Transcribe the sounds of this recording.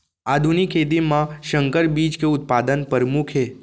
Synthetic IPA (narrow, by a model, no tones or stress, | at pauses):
ad̪ʱunikʰːet̪̬imãʃəŋkəɾbid͡ʒkeʊt̪̚pad̪ənpəɾmukʰe